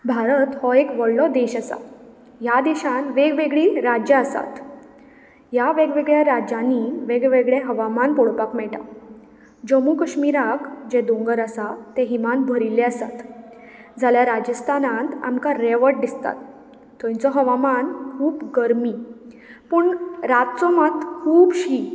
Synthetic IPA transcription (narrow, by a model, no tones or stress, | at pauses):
bʱaɾət̪hɔekʋəɽlɔd̪eɕasa̰ | jad̪eɕãnʋeɡʋeɡɭiɾad͡ʑjaəsa̰t̪ | jaʋeɡʋeɡɭjaɾad͡ʑãnːiʋeɡɭʋeɡɭeɦəʋamanpɔɽpakmɛɭʈa̰ | d͡ʑəmukəɕmiɾakd͡ʑed̪õŋɡəɾasat̪eɦimanbʱəɾilːeəsat̪ | d͡zʱaljaɾad͡ʑəst̪ʰanãnt̪a̰mkaɾeʋəɾʈ̚d̪ist̪a̰t̪ː | ɔ̃ĩt͡sɔɦəʋamankʰuːbɡəɾmi | pəɳɾat̪̚t͡sɔmat̪kʰuːbɕiː